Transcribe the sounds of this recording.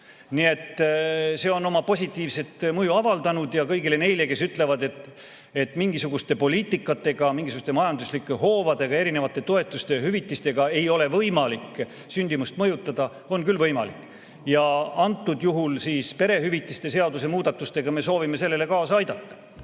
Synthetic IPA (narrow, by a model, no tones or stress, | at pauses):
nie̞t̪ːse̞ːo̞no̞mɑpo̞sʲit̪ˑːiːvse̞t̪mɤjuɑvɑld̪ɑnud̪̥jɑkɤjɡile̞ne̞jle̞ke̞syt̪ˑle̞vɑd̪e̞t̪ | et̪ːmiŋɡisuɡ̥ust̪e̞po̞liːt̪ːˑikːˑɑt̪ːˑe̞ɡ̥ɑmiŋɡisuɡust̪e̞mɑjɑnd̪uslikːˑeɦo̞ːvɑd̪̥e̞ɡ̥ɑe̞ɾine̞vɑt̪ːˑe̞t̪o̞e̞t̪ːˑust̪e̞ɦyvit̪ːˑist̪e̞ɡ̥ɑe̞jo̞le̞vɤjmɑlik | synʲd̪̥imust̪mɤ̞jut̪ˑːɑd̪̥ɑ | o̞nkylvɤjmɑlikːˑ | jɑɑnt̪ːud̪̥juɦulsiːspe̞ɾe̞ɦyvit̪ːˑist̪e̞se̞ɑd̪use̞muːd̪̥ɑt̪ːˑust̪e̞ɡ̥ɑme̞so̞ːvime̞se̞lːe̞le̞kɑːsɑɑjd̪ɑt̪ːɑ̥